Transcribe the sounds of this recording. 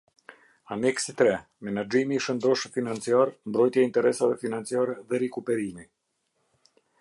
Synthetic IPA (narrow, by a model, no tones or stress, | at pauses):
anɛksit̪ɾɛ | mɛnad͡ʒimiʃənd̪ɔʃfinant͡siaɾmbɾɔjt̪jaint̪ɛɾɛsavɛfinant͡siaɾɛðɛɾɛkupɛɾimi